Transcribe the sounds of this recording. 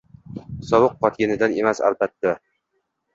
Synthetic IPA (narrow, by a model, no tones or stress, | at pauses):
sɒbɨqʰːɒt̪̚ɡʲanɪd̪ane̞masa̰lˠbat̪ːa